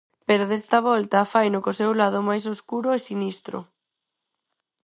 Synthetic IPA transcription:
peɾoðest̪ɐβ̞ɔlt̪ɐfajnʊkosewlað̞ʊmajsoskuɾʊesinist̪ɾʊ̰

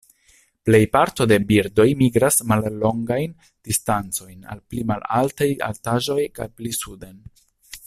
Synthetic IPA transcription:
ple̞jpaɾto̞de̞biɾdo̞jmiɡɾasmalːo̞ŋɡajn | d̥istant͡so̞jna̰lplimalaltaja̰ltaʒo̞jka̰jplisuden

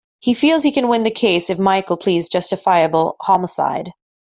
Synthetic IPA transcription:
hifilˠz̥hikɨ̃nwɪ̃nðɨkʰeɪsɨfmaɪkl̩ˠpʰl̥izd͡ʒʌstɨfaɪɨbl̩ˠhɑməsa̰ɪd̥

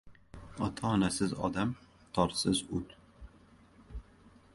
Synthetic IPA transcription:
ɒt̪ʰaːnasɪzɒ̰d̪am | t̪ʰɒɾsɪzʊt̪

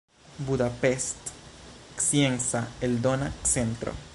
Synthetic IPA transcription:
buðapest̪ksjeŋsaeld̪onaksent̪ɾo̰

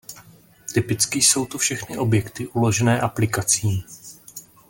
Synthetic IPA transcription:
t̪ɪpɪt͡skɪso̞wt̪ufʃɛxnɪʔo̞bjɛkt̪ɪʔulo̞ʒɛnɛːʔaplɪkat͡siː

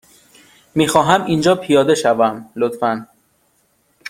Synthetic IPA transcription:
miːxɒːɦæmʔind͡ʒɒːpʰijɒːd̪e̞ʃævæmlot̪fæn

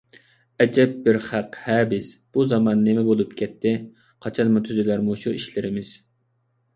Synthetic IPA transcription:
ɛd͡ʒɛp̚bɪɾχæqhɛːbɪsb̥uzɑmɑnːɪmɛbolˠup̚kʲʰɛt̪ʰːɪ | qʰɑt͡ʃʰɑnmʊt̪ʰyzɪlæɾmuʃuiʃlɪɾɪmɪz̥

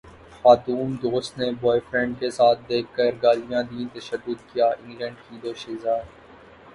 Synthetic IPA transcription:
xaːt̪uːmd̪oːst̪nebɔːefɾɛ̃ɳɖ̚kesaːt̪̚ʰd̪eːkʰːəɾɡaːlijãd̪it̪ɐʃəd̪ːʊd̪kijaʔɪ̃ŋɡlə̃ɳɖkiːd̪oːʃɪːzaː

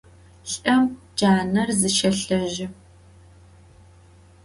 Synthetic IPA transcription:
ɬʼɐm | d͡ʒaːnɐrzɨʃɐɬɐʒɪ

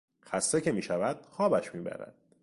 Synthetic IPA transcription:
xæst̪ecʰe̞miːʃævæd̪̥̚xɒːbæʃmiːbæ̰ɾæ̰d̪̥

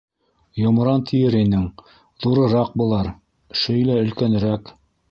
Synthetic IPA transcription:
jŏmɤ̆ɾɑnt̪ʰĭjɘɾinɘŋ | ðuɾɤ̆ɾɑq̚bulˠɑɾ | ʃɵjlæɵ̆lkæn̆ɾæk

